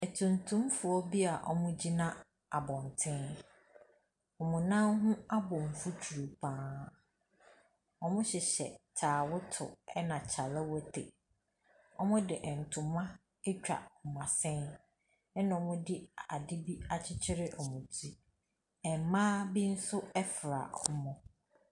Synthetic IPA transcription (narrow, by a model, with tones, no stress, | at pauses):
ɛ˨tʰũ˨ntʰũ˦mfʊ˨ɔ˦bi˦a˨ʔɔ̰˨mʊ̃˦d͡ʑi˦nã˦ | a˨bɔ̃˨n˨tʰɪ̃˦n | ɔ˨mʊ̃˨nã˦nɦʊ̃˦a˦bɔ̃˨ɱ˨fu˦t͡ɕʰu˨ɾu˨pʰã˦ | ɔ˦mʊ̃˦ɕɪ˨ɕɛ̰˨tʰaː˨wʊ˦tʰʊ̰˨ɛ˦nã˨t͡ɕʰa˨la˦wɔ˦tʰe˨ | ɔ˦mʊ̃˦dɪ˨ʔɛ̃˨n̩˨tʰʊ̃˨mã˦ | ɛ˦t͡ɕᶣa̰˨ɔ˨mã˨sɪ̃˦n | ɛ˦nã˨ɔ˨mʊ̃˦dɪ˦a̰˨dɪ˦bi˦a˦t͡ɕʰɪ˦t͡ɕʰɪ˦ɾɪ˦ʔɔ˨mʊ̃˨tʰi˦ | ɛ˨m˨mãː˦bi˦n̩˦sʊ˦ɛ˦fɾa̰˨ɔ˨˦mʊ̃˨